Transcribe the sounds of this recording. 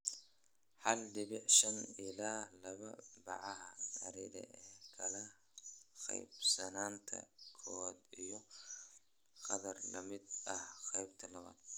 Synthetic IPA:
ħɐlɖɪβɪʕʃɐnɪlaːlɐβɐ̰bɑ̰ʕɑɦɐd̪ɐ̰ɾiɾɐ̰ɛːkʰɐlɐ | qɛ̰jbsɐnaːnt̪ʰɐ̰kʰɔːd̪ijɔ | qɑðɐrlɐ̰mɪd̪ɐhqɛjbt̪ʰɐlɐβa̰ːd̪̥

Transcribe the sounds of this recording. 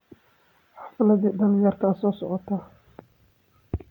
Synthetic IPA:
ħɑfɪlɐðiːd̪ɐlɪjɐːrkʰɐasɔːsɔʕɔt̪ʰaː

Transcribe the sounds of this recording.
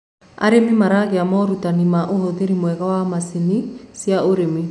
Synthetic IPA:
a̰ɾemimaɾaɣeamɔɾutanimaʔohɔðeɾimwɛɣawamasinisjaoɾemi

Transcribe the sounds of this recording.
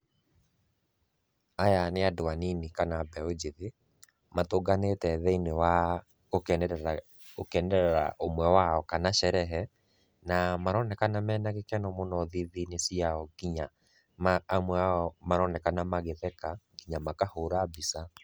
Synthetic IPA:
ajaneadoaninikanabɛod͡ʒeðe | matoɡanetɛðɛinewa | ok | okɛndɛɾɛɾa̰ʔomwɛwaɔkanaɕɛɾɛɦɛ | namaɾɔnɛkanamɛːnaɣekɛnɔmonɔðiðinesiaɔkiɲa | maːmwɛaɔmaɾɔnɛkanamaɣeðɛkakiɲamakahoɾabisa

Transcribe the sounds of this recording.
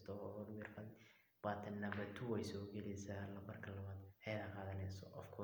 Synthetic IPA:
st̪ʰɔɾwɪːrfɐ | waːt̪ʰɐnːɐβɐt̪ʰʊwɛjsɔːɡɛlɛjsaːlɐbɐrkʰɐlɐβaːd̪hɛjɾɐqɑːðɐnɛjsɔʔɔfkʰʊ

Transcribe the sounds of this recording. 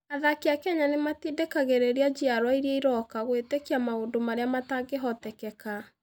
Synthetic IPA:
aðakeakɛɲanematidekaɣeɾeɾiad͡ʒiaɾwaiɾeiɾɔkaɣwetekiamaodomaɾeamataɡeɦɔtɛkɛka

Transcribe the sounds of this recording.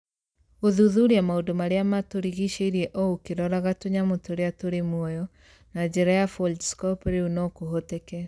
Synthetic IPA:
ɣoðuðuɾeamaodomaɾeamatoɾiɣiʃeiɾiɛʔɔokeɾɔɾaɣatoɲamotoɾeatoɾemwɔjɔ | nad͡ʑɛɾajafɔldiskɔpɾeunɔkoɦotekɛ

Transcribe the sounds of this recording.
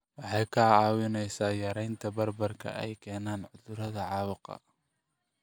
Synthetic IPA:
wɑħɑjkʰɐɑːwɪnɛjsaːjɐɾɛjnt̪ʰɐbɐrbɐrkʰɐ̰ʔɛ̰jkʰɛːnaːnʕʊðʊɾɐðɐʕɑwɑqɑ̰

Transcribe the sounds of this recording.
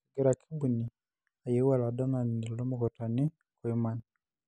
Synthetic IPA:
ɡeɾakʰibuni | ajewaladamanindiɾloːmukotani | kwemana

